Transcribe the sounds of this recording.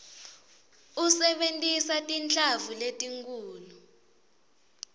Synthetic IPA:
usɛɓentʼisatʼint͡ɬʼavuletʼiŋkʼuːlu

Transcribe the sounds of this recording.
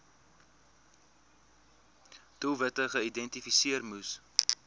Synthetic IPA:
tulˠvətəχəidɛntifisiərmus

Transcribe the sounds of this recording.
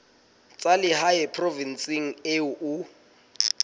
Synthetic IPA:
t͡sʼalɪhaɛpʰrɔvinsɪŋ̩eʊʔʊ

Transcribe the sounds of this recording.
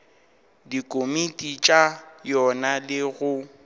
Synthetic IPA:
dikʼomitʼit͡ʃʼajɔnalɪɣʊ

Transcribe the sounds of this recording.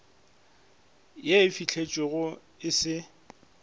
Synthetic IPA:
jeɪfit͡ɬʰet͡ʃʼwɪɣʊ | ɪsɪ

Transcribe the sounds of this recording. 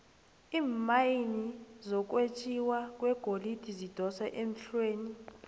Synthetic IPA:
iːmajinizɔk̬ʼwet͡ʃʼiwakʼwɛɡ̥ʱolid̥ʱizid̥ʱɔsaʔem̩ɬweːni

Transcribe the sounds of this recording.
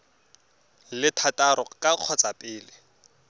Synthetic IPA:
lɪtʰatʼaɾɔkʼaq͡χʰɔt͡sapʼɪːlɪ

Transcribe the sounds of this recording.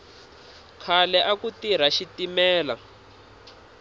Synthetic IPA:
kʰalɛʔakutiɾ̤aʃitimɛːla̰

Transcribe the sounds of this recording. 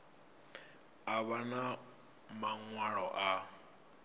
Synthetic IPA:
aβana | maŋwaɺɔʔa

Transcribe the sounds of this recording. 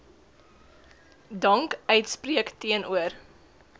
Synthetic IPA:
dɐŋkœɥtspriəktiənʔuər

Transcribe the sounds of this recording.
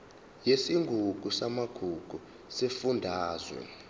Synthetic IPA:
jesiŋɡʱuɡ̥ʱusamaɡ̥ʱuɡ̥ʱu | sefundʱaːzwɛ̰

